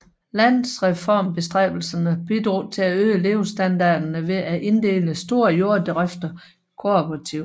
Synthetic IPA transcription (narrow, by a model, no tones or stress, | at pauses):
læn̰ðˠsʁɛfɒ̰mb̥e̝sd̥ʁɛ̰ːb̥l̩sɐnəb̥id̥ʁṵːt͡sʰe̝læøːle̝ːʊsd̥ænd̥ɑ̈ːd̥ɐnəʋe̝ʔæʔe̝nd̥e̝̰ːləsd̥o̝ːɐjo̝ɐ̰d̥ʁæfd̥ɐ | kʰo̝pʰʁɑt͡sʰiʊ̰